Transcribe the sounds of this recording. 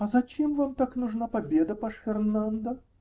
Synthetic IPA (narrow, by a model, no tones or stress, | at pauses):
ɐzɐt͡ɕemvamt̪aknʊʐnapɐbʲed̪əpaʂfʲɪrnand̪ə